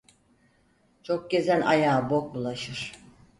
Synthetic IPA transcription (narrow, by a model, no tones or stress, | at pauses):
t͡ʃʰo̞k̚ɟe̞zæna̰jaːbo̞k̚ulˠaʃɯɾ̥